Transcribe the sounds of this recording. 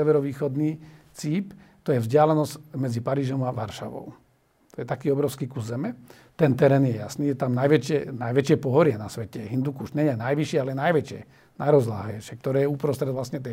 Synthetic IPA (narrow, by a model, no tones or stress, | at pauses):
sɛʋɛɾɔʋiːxɔd̪niːt͡siːpt̪ɔjɛvzɟɪalɛnɔsmɛd͡zipaɾiːʒɔmaʋaɾʃa̰ʋɔ̰ʊ | t̪ɔjɛt̪akiːɔbɾɔʊskiːkuzzɛmɛ | t̪ɛnt̪ɛɾɛːnjɛja̰sniːjɛt̪amnajʋɛt͡ʃɪɛnajʋɛt͡ʃɪɛpɔɦɔɾɪɛnasʋɛcɛɦind̪ukuʃɲɛɲɛnajʋiʃɪɛalɛnajʋɛt͡ʃɪɛ̰ | najɾɔzla̰ːɦɛːʃɛk̚t̪ɔɾɛːjɛupɾɔst̪ɾɛd̪ʋlasɲɛt̪ɛ